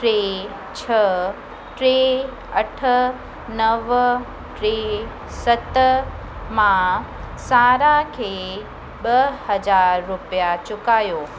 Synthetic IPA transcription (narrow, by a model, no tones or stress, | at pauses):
ʈɾe | t͡ɕʰɐ | ʈɾe | ɐʈʰə̆ | nɐʋ | ʈɾe | sɐt̪ | mã | saːɾakʰeː | ɓɐhɐd͡ʑaːɾːʊpijat͡ɕʊkaːjoː